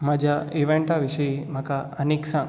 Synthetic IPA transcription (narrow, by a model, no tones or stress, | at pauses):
mad͡ʒʱaiʋeɳʈaʋiʃɐjim̤ɐkaɐneksã